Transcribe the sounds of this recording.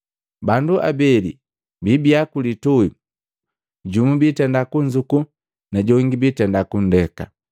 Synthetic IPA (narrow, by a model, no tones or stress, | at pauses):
banduʔa̰bɛlḭ | bibiakulitui | ɟumubitɛndakuɲd͡ʒuku | naɟɔŋɡibitɛndakun̩dɛka